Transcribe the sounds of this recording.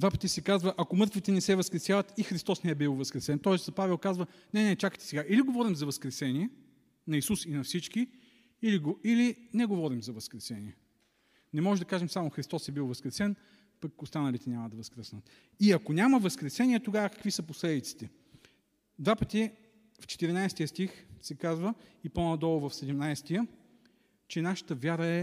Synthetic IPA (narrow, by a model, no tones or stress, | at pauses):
d̪vapə̥t̪isɛkazvəʔɐkomɤɾt̪vit̪ɛnɛsɛvɐskɾɛsjavɐt̪ixɾist̪ɔsnɛɛbilˠvɐskɾɛsɛnt̪ɔɛsɐpavɛlˠkazvə | nɛnɛt͡ʃakə̥t̪ɛ̥sɛɡaʔiliɡovɔɾimzɐvɐskɾɛsɛniɛ | nɐisusinɐfsit͡ʃki | iliɡoilinɛɡovɔɾimzɐvɐskɾɛsɛniɛ | nɛmɔʒɛd̪ɐkaʒɛmsamoxɾist̪ɔsɛbilˠvɐskɾɛsɛn | pɐkost̪anɐlit̪ɛnʲaməd̪ɐvɐskɾɛsnət̪ | iɐkonʲaməvəskɾɛsɛniɛt̪oɡavəkə̥kvisəposlɛd̪it̪si̥t̪ɛ | d̪vapət̪i | ft͡ʃɛ̥t̪iɾinajst̪ijəst̪ixsɛkazvəiponɐd̪ɔlˠovɐfsɛd̪ɛmnajst̪ijə | t͡ʃɛnaʃə̥t̪əvʲjaɾəɛ